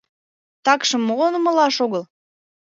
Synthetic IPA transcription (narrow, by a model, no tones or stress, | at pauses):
t̪ɑkʃɤ̆mːolnəmə̆lɑʃoɣəl